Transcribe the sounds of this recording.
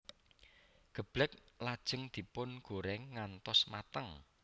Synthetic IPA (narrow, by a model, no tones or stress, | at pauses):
ɡ̥ə̤b̥lɛk̚lad̥ʒ̥ə̤ŋd̪̥i̤pʊnɡ̥o̤ɾɛŋːant̪ɔsmat̪əŋ